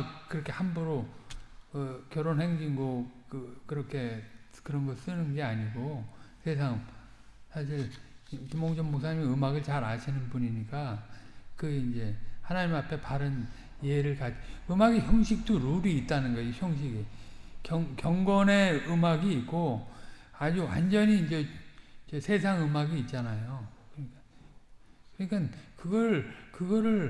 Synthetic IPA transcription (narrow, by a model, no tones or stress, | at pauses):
kkɯɾʌkʰe̞hambuɾo | ʌkjʌɾonɦe̞ŋd͡ʑinɡokɯkɯɾʌkʰe̞kɯɾʌnɡʌs͈ɯnɯnɡe̞aɲiɡosʰe̞s̬ʰaŋ | sʰaɕ̬ʰiɾkimoŋd͡ʑʌŋbok̚s͈ʰaɲimiɯmaɡɯɭt͡ɕaɾaɕʰinɯnbuɲiɲik͈a | kɯind͡ʑe̞hanaɲimapʰe̞paɾɯn | jeɾɯɭkad͡ʑɯmaɡiçjʌŋɕʰik̚t͈oɾuɾiːt̚t͈anɯnɡʌçjʌŋɕ̬ʰiɡekjʌŋkjʌŋɡʌne̞ɯmaɡiːt̚k͈o | ad͡ʑuwa̰nd͡ʑʌɲiːnd͡ʑe̞d͡ʑesʰe̞s̬ʰaŋɯmaɡiːt̚t͡ɕ͈anajokɯika | kɯɲikankɯɡʌɾkɯɡʌɾɯɭ